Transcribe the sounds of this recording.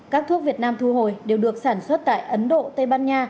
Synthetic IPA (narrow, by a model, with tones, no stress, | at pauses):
kaː˦˥k̚t̪ʰu˦˥k̚vi˨˩ət̚naː˧mt̪ʰu˧ɦo˨˩jɗe˨˩wɗɨ˨˩ək̚saː˧˩nswə˦˥t̚t̪a̰ː˧˨jʔə˨˦nɗo̰˧˨t̪ə˧jɓaː˧nɲaː˧